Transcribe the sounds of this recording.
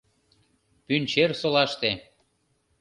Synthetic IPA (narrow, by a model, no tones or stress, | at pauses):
pynt͡ɕersolɑʃt̪e